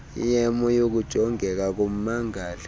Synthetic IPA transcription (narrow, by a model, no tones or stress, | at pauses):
ḭjɛmɔjok̬ud̥ʒ̥ʱɔŋɛk̬ak̬om̩maŋaːla